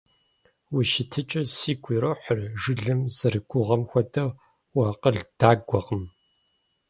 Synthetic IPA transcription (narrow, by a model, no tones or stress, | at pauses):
wiʃɪtʰɨt͡ʃʼɐsiːɡʷʰʼiːɾoħərʒɨɮɨmz̥ɨrɨɡʷʊʁɐmxʷɔtʼɐ | waːqəɮd̥aːɡʷɔqəm